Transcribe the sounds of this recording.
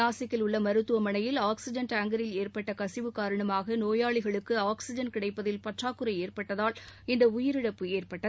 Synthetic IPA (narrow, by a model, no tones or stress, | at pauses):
aːsɪkːɪlʊɭːɐmɐɾɯt̪ːɯʋɐmɐɳɐjɪlaːksɪd͡ʒɐnʈaːŋɡɐɾɪleːrpɐʈːɐkɐsɪʋɯkaːɾɐɳɐmaːɣɐnoːjaːɭɪɣɐɭɯkːɯaːksɪd͡ʒɐnkɪɽɐɪpːɐðɪlpɐʈraːkːɯɾɐɪeːrpɐʈːɐðaːlɪnd̪ɐʊjɪɾɪɽɐpːɯeːrpɐʈːɐð